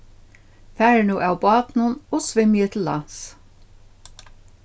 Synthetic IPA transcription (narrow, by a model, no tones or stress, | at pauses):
fæːɹnuːʔawbɑːt̪nʊnɔsvɪmːjɛt̪ʰɪlːa̰ns